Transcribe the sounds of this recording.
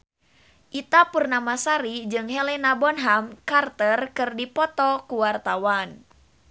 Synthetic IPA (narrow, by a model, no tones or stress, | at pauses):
ʔit̪apurnamasaɾid͡ʒɨŋɦelenabɔnɦamkart̪ərkɨrdipɔt̪ɔkuwart̪awan